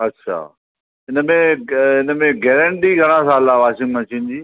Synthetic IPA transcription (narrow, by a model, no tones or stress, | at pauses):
ɐtːɕʰa̰ː | ɪnəmẽɪnəmẽɡɛːɾə̃ɳʈiɡʱɐɽ̃ãsaːlaːʋaːʃɪ̃ŋɡmə̃t͡ɕiːnd͡ʑiː